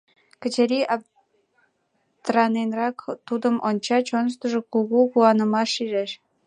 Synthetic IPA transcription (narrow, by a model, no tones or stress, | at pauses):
kə̆t͡ɕeɾʲiʔɑ | t̪rɑnenrɑkt̪ud̪əmʔonʲt͡ɕɑt͡ɕonʃt̪əʒokuɣukuɑnə̆mɑʃiʒeʃ